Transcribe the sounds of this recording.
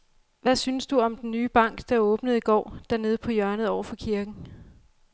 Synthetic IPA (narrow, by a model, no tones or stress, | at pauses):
ʋæsynəsd̥uɒ̽md̥enːyːb̥ɑ̈ŋ̰ɡ̥d̥ɑɔ̽ːb̥nəð̞̩ˠiɡ̥ɒ̰ːd̥æɐne̝ð̞ˠəpʰɒ̽jɶɐnəð̩ˠɒ̰ʊɐfɒ̽kʰiɐɡ̥n̩